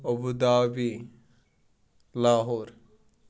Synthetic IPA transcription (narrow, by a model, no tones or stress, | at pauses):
obud̪aːbi | laːɦoɾ